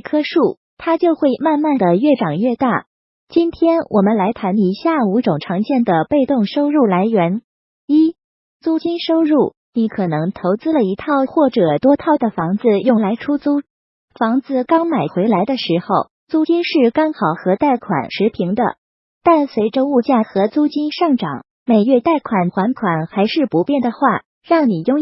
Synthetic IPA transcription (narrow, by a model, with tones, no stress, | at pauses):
kʰɤ˥ʂu˥˩ | t̪ʰa˥t͡ɕjo˥˧ʊxwe˥˧ɪma˥˧nma˥˩nd̪ə˩ɥɛ˥˩ʈ͡ʂɑ˨˩ŋɥɛ˥˧t̪a˥˩ | t͡ɕi˥nt̪ʰjɛ˥nwʔɔ˨˩mə˦nla˧˥ɪt̪ʰa˧˥ni˧˥ɕja˥˩u˧˥ʈ͡ʂʊ˨˩ŋʈ͡ʂʰɑ˧˥ŋt͡ɕjɛ˥˩nd̪ə˩pe˥˧ɪt̪ʊ˥˩ŋʂo˥ʊɻu˥˩la˧˥ɪɥɛ˧˥n | i˥ | t͡su˥˩t͡ɕi˥nʂo˥ʊɻu˥˩ | ni˧˥kʰɤ˨˩nɤ˧˥ŋt̪ʰo˧˥ʊt͡sɹ̩˥lə˨i˧˥t̪ʰɑ˥˧ʊxwɔ˥˩ʈ͡ʂɤ˨˩t̪wɔ˥t̪ʰɑ˥˩ʊd̪ə˩fɑ˧˥ŋd͡zɹ̩˧jʊ˥˩ŋla˧˥ɪʈ͡ʂʰu˥t͡su˥ | fɑ˧˥ŋd͡zɹ̩˧kɑ˥ŋma˨˩ɪxwe˧˥ɪla˧˥ɪd̪ə˧ʂɻ̩˧˥xo˥˧ʊ | t͡su˥t͡ɕi˥nʂɻ̩˥˩kɑ˥ŋxɑ˨˩ʊxɤ˧˥t̪a˥˩ɪkʰwa̰˨˩nʂɻ̩˧˥pʰi˧˥ŋd̪ə̰˧ | t̪a˥˩nswe˧˥ɪʈ͡ʂə˧u˥˧t͡ɕja˥˩xɤ˧˥t͡su˥t͡ɕi˥nʂɑ˥˩ŋʈ͡ʂɑ̰˨˩˦ŋ | me˨˩ɪɥɛ˥˧t̪a˥˩ɪkʰwa˨˩nxwa˧˥nkʰwa˨˩nxa˧˥ɪʂɻ̩˥˩pu˧˥pjɛ˥˩nd̪ə˩xwa˥˩ | ɻɑ˥˩ŋni˨˩jʊ˥˧ŋ